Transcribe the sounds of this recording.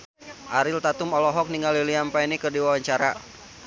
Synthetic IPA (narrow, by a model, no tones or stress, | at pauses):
ʔaɾɪlt̪at̪umɔlɔɦɔk̚niŋɡaliliampainikərdiwawaɲt͡ʃaɾa̰